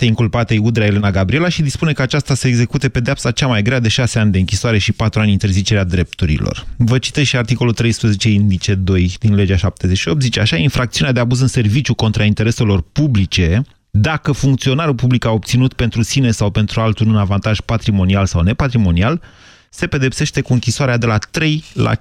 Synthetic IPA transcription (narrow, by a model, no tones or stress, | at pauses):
eiŋkulpat̪ejud̪ɾaele̞naɡabɾie̞laʃid̪ispune̞kəat͡ʃast̪aseːɡze̞kut̪e̞ped̪eapsat͡ʃamajɡɾead̪e̞ʃase̞anʲd̪eɨŋkʲisoaɾe̞ʃipat̪ɾuanʲint̪erzit͡ʃe̞ɾead̪ɾe̞p̚t̪uɾḭlo̰rvət͡ʃi̥t̪ez̥ʃiart̪iko̞lult̪ɾe̞jspɾəzet͡ʃe̞ind̪it͡ʃe̞d̪o̞jd̪inle̞d͡ʒaʃap̚t̪e̞zeʃio̞p̚t̪zit͡ʃeaʃainfɾakt̪siunead̪e̞abuzɨnse̞rvit͡ʃjuko̞nt̪ɾaint̪e̞ɾe̞se̞lo̞rpublit͡ʃe̞ | d̪akəfuŋkt̪sio̞naɾulpublikaop̚t̪sinut̪pe̞nt̪ɾusine̞sawpe̞nt̪ɾualt̪ulunavant̪aʒ̥pat̪ɾimo̞nialsawne̞pat̪ɾimo̞nial | se̞pe̞d̪e̞pse̞ʃt̪e̞kuɨŋkʲisoaɾead̪e̞lat̪ɾe̞jla̰